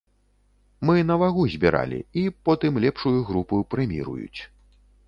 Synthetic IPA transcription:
mɨnɐvaɣuzʲbʲiɾa̰lʲḭipɔt̪ɨmlʲɛpʂujuɣɾupɨpɾɨmʲḭɾṵjṵt͡sʲ

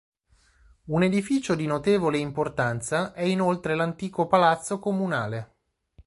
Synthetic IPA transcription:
uned̪ifiːt͡ʃod̪inot̪eːvoleimport̪ant̪saʔɛinolt̪ɾelant̪iːkopalat̪sːokomunaːle

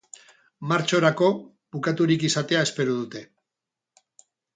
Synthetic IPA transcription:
maɾt͡ʃo̞ɾako̞ | βukat̪uɾikisat̪e̞ae̞spe̞ɾuðut̪e̞

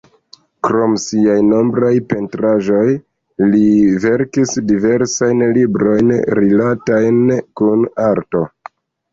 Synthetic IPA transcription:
kɾo̞msiajno̞mbɾajpe̞ntɾaʒo̞j | live̞ɾkisdive̞ɾsajnlibɾo̞jnɾilatajnkunaɾto̞

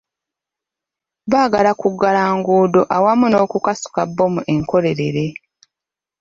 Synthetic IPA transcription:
βaːɡalakuɡːalaːŋɡuːdo̞ʔawamuno̞ːkukasu̥kabːo̞muʔe̞ŋko̞le̞ɾe̞ɾe̞

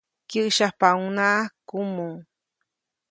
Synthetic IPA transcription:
kiʔʃapaunakumuŋ

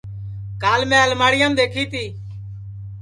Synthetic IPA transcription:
kaːlmẽːəlmaːɽɪjəːmd̪eːkʰiːt̪iː

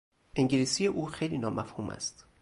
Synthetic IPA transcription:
ʔeŋɟiliːsijeʔuːxejliːnɒːmʔæfhuːmʔæ̰st̪

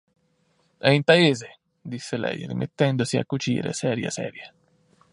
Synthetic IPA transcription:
ɛimpaeːze | d̪isːelɛ̰jrimʔet̪ːɛnd̪osia̰kːut͡ʃḭːɾḛsɛːɾja̰sɛ̰ːɾja

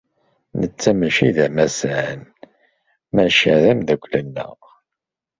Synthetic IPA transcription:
nət͡sːæmæʃiðæmæsʕən | mæʃaðæmðækʷːlənːə̰ʁ

